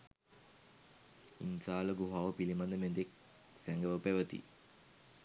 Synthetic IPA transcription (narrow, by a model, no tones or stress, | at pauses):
ḭnsaːləɡuɦaːʋəpilimand̪əmend̪ek̚ | sæŋɡəʋəpeʋət̪ḭ